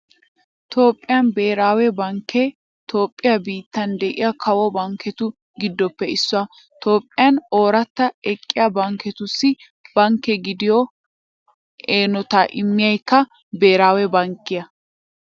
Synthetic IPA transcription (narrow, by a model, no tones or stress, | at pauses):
t̪o̞ːpʼːɪjɐnbe̞ːɾaːwɛbɐŋkːɛ | t̪ʰo̞ːpʼːɪjɐbiːt̪ːɐnd̪ɛʔɪ̰jɐkʰɐwɔbɐŋkʰːɛt̪ʊ | ɡɪd̪ːɔpːɛɪsːʊɐ | t̪o̞ːpʼːɪjɐno̞ːɾɐt̪ːɐɛkʼːɪjɐbɐŋkɛt̪ʊsːɪ | b̥ɐŋkːɛɡɪd̪ɪjɔ | eːnɔt̪aʔɪmːɪjɐjkːɐ | be̞ːɾaːwɛbɐŋkːɪjɐ